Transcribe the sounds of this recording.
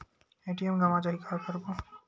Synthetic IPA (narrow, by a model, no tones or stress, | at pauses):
eʈiemɡamad͡ʒaikʰaɾkɔɾbo